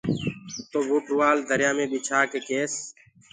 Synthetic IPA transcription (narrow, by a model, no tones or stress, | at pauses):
t̪oːʋoːʈuʋaːld̪əɾɪjaːmẽːɓiːt͡ʃʰaːkeːkeːs